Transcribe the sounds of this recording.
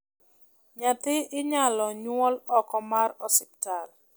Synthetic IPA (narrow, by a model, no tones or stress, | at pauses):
ɲat̪ɪɪɲalɔɲwɔlɔkɔmarɔsɪp̚tal